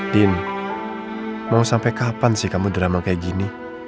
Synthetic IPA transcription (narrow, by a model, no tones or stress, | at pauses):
din | maŋusampɛkapansikamud̪ɾamaŋkajɡini